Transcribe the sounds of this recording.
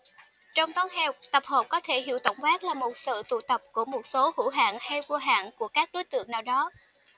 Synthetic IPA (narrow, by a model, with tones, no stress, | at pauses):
t͡ɕɔ˧wŋ͡mt̪ɔ˨˦ŋɦɛ˧˩wt̪ə˨˩p̚hoː˨˩p̚kɔ˨˦t̪ʰe˧˩hɦḭ˧˩əwt̪ə̰˧˩wŋ͡mvaː˦˥k̚laː˨˩mo˨˩t̚sɨ̰˧˨t̪ṵ˧˨t̪ə˨˩p̚ku˧˩əmo˨˩t̚so˨˦hṵ˧˥ɦa̰ː˧˨nha˧jvu˧ɦa̰ː˧˨nku˧˩əkaː˦˥k̚ɗo˨˦jt̪ɨ̰˧˨əŋnaː˨˩wɗɔ˨˦